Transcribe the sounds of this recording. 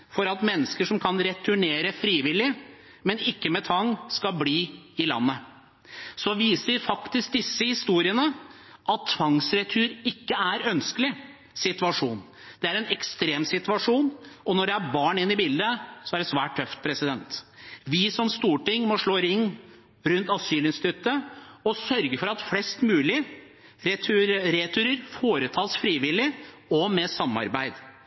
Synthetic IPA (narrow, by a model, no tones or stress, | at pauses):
fɔɾɑt̪mɛnːəskəʂɔmkʰɑnɾɛt̪ʰʉɳeːɾəfɾiːʋɪlɪ | mɛnɪkːəmɛt̪ʰʋɑŋːskɑlbliːɪlɑ̰nːə | sɔʋiːsəɾfɑkt̪ɪsk̚d̪ɪsːəhɪst̪uːɾɪənə | ʔɑt̪ʰːʋɑŋsɾɛt̪ʰʉːɾɪkːəæɾœnskəlɪ | sɪt̪ʉʋɑʂuːn | d̪̥ɛæɾɛnɛkst̪ɾeːmsɪt̪ʋɑʂuːnʔɔnɔɖɛæbɑːɳɪnːɪbiːld̪əsɔæɖɛsʋæːʈ̚ʰœft̪̚pʰɾɛsɪd̪ɛnt̪ʋɪsɔmst̪uːʈɪŋːmɔʂɭoːɾɪŋː | ɾʉnt̪ɑsyːlɪnst̪ʰʏt̪ːəɔsœɾɡəfɔɾɑt̪flɛst̪mʉːlɪ | ɾɛɾɛt̪ʰʉɾəɾfoːɾət̪ʰɑːlsfɾiːʋɪlɪ | ɔmɛsɑmːɑ̰ɾbæɪd̪